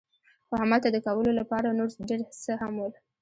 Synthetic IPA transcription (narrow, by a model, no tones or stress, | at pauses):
xohamalt̪ad̪əkawəlolapɑɾanoɾɖeɾsəhamwəl